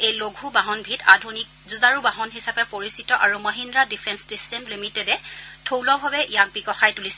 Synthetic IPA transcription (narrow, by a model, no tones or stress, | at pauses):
ejloɡʱubaɦɔnbʱita̰dʱunik̚zuzaɹubaɦɔnɦisapɛpoɹisitɔʔaɹumɔɦindɹadipʰɛnssistɛmlimitɛdɛtʰowlɔbʱabɛʔijak̚bikɔxajtulisɛ